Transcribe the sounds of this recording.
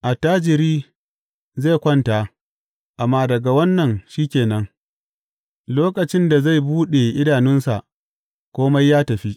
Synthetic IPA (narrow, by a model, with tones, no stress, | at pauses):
ʔa˨taː˦d͡ʒɪ˨ɾiː˦ | ze˦˨kʷɐ˦nta˨ | ʔa˨mːaː˦dɐ˨ɡa˨wɐ˦nːɐ˨nʃiː˦kʲeː˨nɐ˦ŋ | loː˦kɐ˨t͡ʃɪ˦nda˨za˦˨jbuː˦ɗe˨ʔɪ˦daː˨nɪ˦nsa˨ʔ | kʷoː˦ma˦jːaː˦tɐ˨ɸi˦ʔ